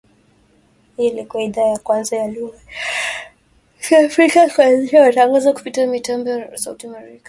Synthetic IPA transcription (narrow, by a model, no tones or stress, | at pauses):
hilikuaiðaajakwanzajaluɣa | afɾikakuanziʃawataŋɡazaku̥pitiamitambɔsaṵtiamɛɛɾikḁ